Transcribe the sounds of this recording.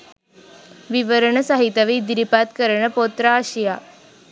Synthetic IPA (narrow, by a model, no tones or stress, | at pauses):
ʋiʋəɾəɳəsaɦit̪aʋiːd̪ɾipat̪kəɾɳəpot̪ɾaːɕija